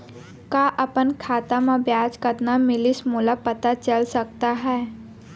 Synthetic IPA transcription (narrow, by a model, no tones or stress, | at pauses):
kaːʔəpənkʰaːt̪amãbjaːd͡ʒkət̪namɪlɪsmulapət̪at͡ʃəlsək̚t̪aɦɛː